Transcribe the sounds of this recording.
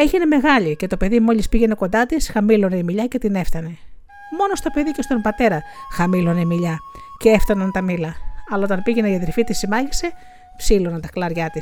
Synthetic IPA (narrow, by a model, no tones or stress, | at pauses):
e̞ʝine̞me̞ɣɐʎice̞t̪o̞pe̞ðimo̞ʎispiʝe̞ne̞ko̞nd̪ɐt̪isxɐmilo̞neimiʎɐce̞t̪ine̞fθɐne̞ | mo̞no̞st̪o̞pe̞ðice̞st̪o̞mbɐt̪e̞ɾɐxɐmilo̞nemiʎɐceeft̪ɐnɐnt̪ɐmilɐɐlɐot̪ɐnpiʝe̞neiɐðɾifit̪isimɐʝise̞ | psilonɐnt̪ɐklɐɾʝɐt̪is